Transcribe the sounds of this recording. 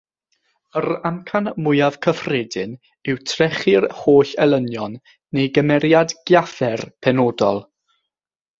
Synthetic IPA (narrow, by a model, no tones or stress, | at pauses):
əɾamkʰanmʊjav̥kʰəfredɪn | ɪwtʰrɛχɪrhoːɬɛlˠənjɔnː | ejɡəmɛɾjadɡ̥jafɛrpʰɛnodɔlˠ